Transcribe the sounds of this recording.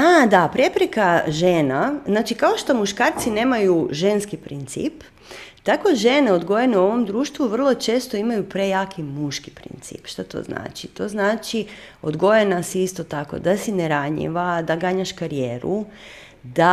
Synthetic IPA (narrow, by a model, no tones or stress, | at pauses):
ad̪apɾjepɾekaʒeːnaznaːt͡ʃikao̞ʃt̪o̞muʃkaːɾt̪sine̞ːmajuʒe̞nskipɾint̪sḭp | t̪ako̞ʒe̞neo̞d̪ɡo̞jeneuo̞ʋo̞md̪ɾuːʃt̪ʋuʋr̩lˠo̞t͡ʃe̞ːst̪o̞imajupɾe̞jaːkimuʃki̥pɾḭnt̪sḭːpʃt̪at̪o̰zna̰ːt͡ʃit̪o̞znaːt͡ʃiod̪ɡo̞jenasiist̪o̞t̪ako̰d̪asineɾaɲḭʋad̪aɡaɲaʃkaɾijeːɾu | d̪a